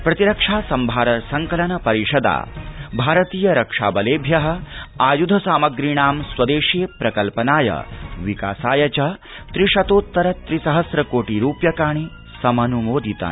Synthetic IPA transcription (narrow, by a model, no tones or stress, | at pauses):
pɾɐt̪iɾɐkʂaːsɐmbʱaːɾɐsɐŋkɐlɐnɐpɐɾiʂɐd̪a̰ːbʱaːɾɐt̪iːjɐɾɐkʂa̰ːbɐleːbʱjɐɦɐ̆aːjud̪ʱɐsaːmɐɡɾiːɳaːmswɐd̪eːʂijpɾɐkɐlpɐnaːjɐ̰ʋika̰ːsaːjɐt͡ʃɐ | t̪ɾiʂɐt̪oːt̪ːɐɾɐt̪ɾisɐɦɐsɾɐkoːʈiɾuːpjɐkaːɳ̃i | sɐmɐnumoːd̪it̪a̰ː